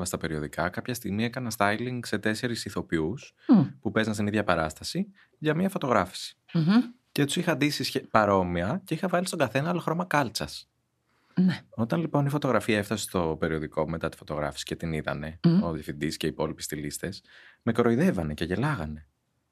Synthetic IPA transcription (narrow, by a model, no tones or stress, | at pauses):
vɐst̪ɐpe̞ɾio̞ðikɐkɐpçɐst̪iɣmiekɐnɐst̪ɐjliŋɡse̞t̪e̞se̞ɾisiθo̞pius | pupe̞zɐnst̪iniðʝɐpɐɾɐst̪ɐsi | ʝɐmiɐfo̞t̪o̞ɣɾɐfi̥si̥ | cet̪u̥sixɐnd̪isisçepɐɾo̞miɐce̞ixɐvɐlist̪o̞ɡɐθe̞nɐɐloxɾo̞mɐkɐlt͡sɐs | neo̞t̪ɐnlipo̞nifo̞t̪o̞ɣɾɐfiɐeft̪ɐsest̪o̞pe̞ɾio̞ðiko̞me̞t̪ɐt̪i̥fot̪o̞ɣɾɐ̰fi̥si̥ce̞t̪iniðɐ̰ne̞oðjɐfind̪isce̞ipo̞lipi̥st̪ilist̪e̞sme̞kɾo̞iðe̞vɐne̞ceʝe̞lɐɣɐne̞